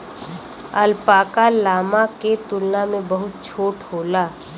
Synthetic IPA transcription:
əlpaːkalaːmaket̪ʊlnamẽbɐɦʊt̪̚t͡ʃʰoːʈhoːlaː

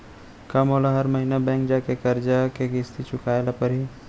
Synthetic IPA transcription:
kɐmoːlaɦɐɾmɐɦiːnabɛ̃ːŋk̚d͡ʒaːkekɐɾd͡ʒakeɡɪst̪it͡ʃʊkaːelapɐɾɦi

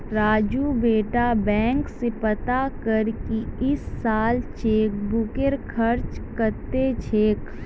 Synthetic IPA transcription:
ɾaːd͡ʒubeːʈabɛ̃ːŋksepət̪akəɾkiɪsːaːlt͡ʃeːk̚bʊkeɾkʰəɾt͡ʃkəɾt̪et͡ʃʰeːk

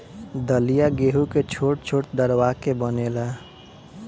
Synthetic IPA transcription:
d̪əlijaɡeːɦuket͡ʃʰoːʈ̚t͡ʃʰoːʈd̪əɾwakebənelaː

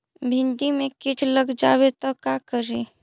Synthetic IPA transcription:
bʱɪ̃nɖimẽkɪʈʰləɡd͡ʒaːwet̪ɔkakəɾe

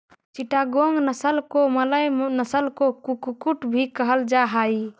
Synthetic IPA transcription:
t͡ʃiʈaɡoŋɡnəsəlkomələjnəsəlkokukukuʈbʱikəɦəld͡ʒaɦaj

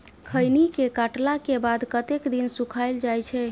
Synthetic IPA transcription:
kʰəjnikekaʈlakebad̪kət̪ekd̪insukʰald͡ʒajt͡ʃʰɛ

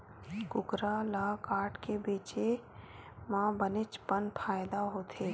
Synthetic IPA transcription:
kʊkɾalaːkaːɾʈkebeːt͡ʃe | mãːbənɪt͡ʃpənpʰaːɪd̪aɦoːt̪ʰeː

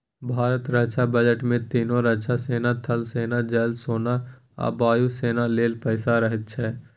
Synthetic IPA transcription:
bʱaːɾət̪ɾət͡ʃʰabəd͡ʒəʈmẽt̪iːnõɾət͡ʃʰaseːnat̪ʰɐlseːnad͡ʒɛːlsoːna | a̰baːjuseːnaleːlpəːsaɾəɦɪt̪̚t͡ʃʰɛː

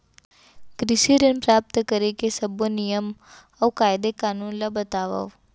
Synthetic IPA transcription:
kɾɪsiɾɪnpɾaːp̚t̪kəɾekesɐbonijəm | ɐʋkaːjɪd̪ekaːnuːnlabɐt̪aːʋə̰ʋ

